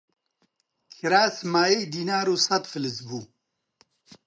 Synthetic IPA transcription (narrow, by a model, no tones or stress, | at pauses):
kʰiɾaːsmaːjejd̪iːnaːɾusɐt̪filizbu